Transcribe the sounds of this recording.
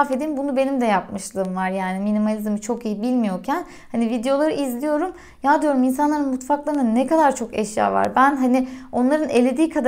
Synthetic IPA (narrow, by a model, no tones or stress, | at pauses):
fe̞d̪inbunube̞nimd̪ɛjap̚mɯʃlˠɯːmvaɾjaːniminimalʲizmit͡ʃʰo̞kijibilʲmijo̞ɾcʰæn | hanivid̪ejo̞lˠaɾɯʔizlʲijo̞ɾum | jaːd̪ijo̞ɾumins̬anlˠaɾɯnmut̪faklˠaɾɯnnɛkad̪aɾt͡ʃʰo̞kɛʃja̰ːva̰ɾbænɦanio̞nlˠaɾɯne̞lʲe̞d̪iːkʰad̪